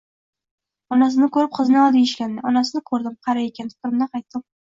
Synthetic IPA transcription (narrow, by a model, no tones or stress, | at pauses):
ɒnas̬ɪnɪkɵɾɪp̚qʰɨznɪɒd̪ɪɪʃkʲand̪ɪɒnasɪnɪkʰɵɾd̪ɪmqʰɑɾaekʲant̪ʰʊ̥qɾɪmnaqʰɑjt̪ːɪm